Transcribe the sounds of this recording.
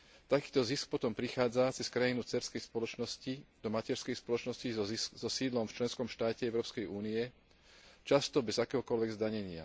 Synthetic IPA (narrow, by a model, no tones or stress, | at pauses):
t̪akiːt̪ɔzisk̚pɔt̪ɔmpɾixaːd͡zat͡sɛskɾajinut͡sɛɾskɛjspɔlɔt͡ʃnɔscid̪ɔmacɛɾskɛjspɔlɔt͡ʃnɔscizɔsiːd̪lɔmft͡ʃlɛnskɔmʃt̪aːcɛɛʊɾɔːpskɛjuːniɛ | t͡ʃast̪ɔbɛzakɛːɦɔkɔlʋɛɡzd̪aɲɛɲɪa̰